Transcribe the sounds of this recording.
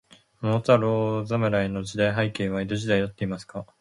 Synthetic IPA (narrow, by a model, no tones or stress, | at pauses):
mot͡saɾoːzameɾaeno̞d͡ʑid̪aiɦaikẽ̞ːβaid̪oʑid̪aid̪at̪ːe̞imasɨ̥ka